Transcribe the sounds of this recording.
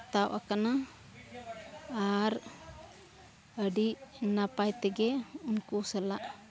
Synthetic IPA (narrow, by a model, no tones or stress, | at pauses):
t̪awʔakana | ɾ | əɖiʔnapajt̪ɛɡɛunkusɛlaʔ